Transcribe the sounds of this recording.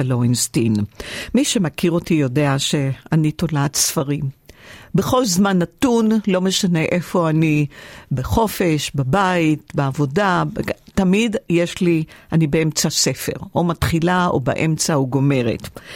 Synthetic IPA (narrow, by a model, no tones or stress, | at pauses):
aloinst̪inmiʃe̞makiʁo̞tijo̞de̞aʃe̞anito̞laːt̪sfaʁimbe̞χo̞lzmanːatunlo̞me̞ʃane̞ʔe̞fo̞anibeχo̞fe̞ʃbabait̚beavo̞dabtamidjeʃlianibeemt͡sase̞fe̞̰ʁomatχilao̰ba̰ʔe̞mt͡sauɡo̞me̞ʁḛt